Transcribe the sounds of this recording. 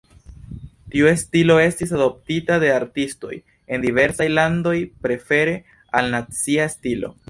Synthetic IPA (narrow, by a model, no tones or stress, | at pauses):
tiue̞stilo̞e̞stisado̞p̚titade̞aɾtisto̞̰j | e̞ndive̞ɾsajlando̞jpɾe̞fe̞ɾe̞ | alnat͡siaestilo̞̰